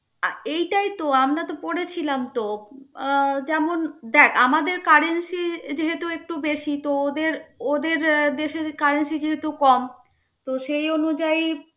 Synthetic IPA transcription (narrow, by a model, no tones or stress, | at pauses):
aejʈajt̪oamɾat̪opoɽet͡ɕʰilamt̪o | d͡ʑɛmond̪ɛkʰamad̪eɾkaɾensid͡ʑeɦet̪uek̚ʈubeʃit̪ood̪eɾod̪eɾd̪eʃeɾkaɾensid͡ʑeɦet̪ukɔm | t̪oʃejonud͡ʑaj